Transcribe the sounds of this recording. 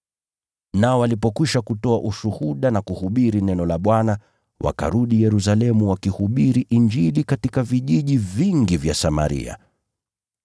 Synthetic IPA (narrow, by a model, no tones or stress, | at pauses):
naɔwalipɔkwiʃakutɔaʔuʃuhuɗanakuhuɓiɾinɛnɔlaɓwana | wʔa̰ka̰ɾuɗijɛɾus̬alɛmuwakihuɓiɾiʔind͡ʒilikatikaviʄiʄiviŋɡivjasama̰ɾḭa̰